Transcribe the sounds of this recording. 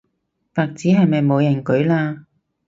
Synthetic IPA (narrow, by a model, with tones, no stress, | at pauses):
paː˨˧k̚t͡siː˨˥ɦɐ˨jmɐ˨jmo˨˧jɐ˨˩nkɵ˨˥ɥlaː˧